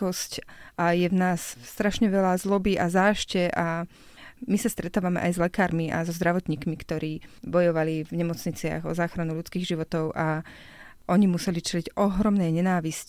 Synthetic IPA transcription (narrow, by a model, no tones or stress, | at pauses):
ɔscʔajɛvnaːsst̪ɾaʃɲɛʋɛlazlɔbiʔazaːʃcɛʔa | misast̪ɾɛt̪aːʋamɛ̰ʔajzlɛkaːɾmiʔa̰zɔzd̪ɾaʋɔt̪ɲiːkmikt̪ɔɾiːbɔjɔʋalivɲɛmɔt͡sɲit͡sɪa̰ɣɔzaːxɾanuʎut͡skiːɣʒiʋɔt̪ɔʊʔa | ʔɔɲimusɛlit͡ʃɛliɟɔɦɾɔmnɛjɲɛnaːʋisc